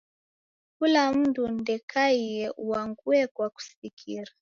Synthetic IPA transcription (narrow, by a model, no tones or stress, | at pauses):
kulam̩dundɛkaiɛʔuaŋɡuɛkwaku̥sikʰiɾa